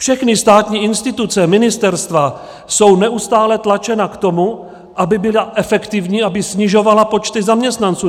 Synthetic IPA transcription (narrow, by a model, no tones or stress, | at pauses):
fʃɛxnɪst̪aːt̪ɲiːʔɪnst̪ɪt̪ut͡sɛmɪnɪst̪ɛɾst̪va | so̞wnɛʔust̪aːlɛt̪lat͡ʃɛnakt̪o̞mu | ʔabɪbɪlaʔɛfɛkt̪ɪvɲiːʔabɪsɲɪʒo̞valapo̞t͡ʃt̪ɪzamɲɛst̪nant͡suː